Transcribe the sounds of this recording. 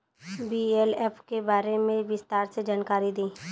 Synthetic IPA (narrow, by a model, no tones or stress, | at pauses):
biːeleːpkebaːɾemẽʋɪst̪aːɾsed͡ʒaːnkaːɾid̪ĩː